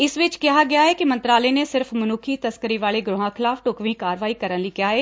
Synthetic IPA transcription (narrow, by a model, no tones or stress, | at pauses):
ɪsʋɪt͡ʃkɪɦaɡɐjaɦɛkimɐ̃nt̪ɾaːlenesɪɾfmɐnʊːkʰit̪ɐskəɾiʋaːleɡɾʊɦãkʰɪlaːfʈoːkʋikaːɾʋaːikɐɾənlikɪjaːɦɛː